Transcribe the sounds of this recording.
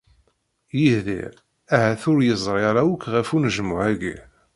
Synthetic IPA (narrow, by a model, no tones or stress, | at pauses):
jihðḭɾ | æɦæθʊɾjəzˤɾˤɪɾˤawəkːʁəfunʒəmʊʕæɡḭ